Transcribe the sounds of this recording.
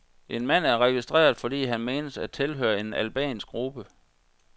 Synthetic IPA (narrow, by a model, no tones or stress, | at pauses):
ʔe̝nmæn̰æɐʁɛɡ̥isd̥ʁḛːɐð̩ˠfɒ̽d̥ḭːɦænme̝ːnəsæ̥t͡sʰe̝lɦø̰ːɐe̝nælb̥ɛ̰ːnsɡ̥ʁub̥ə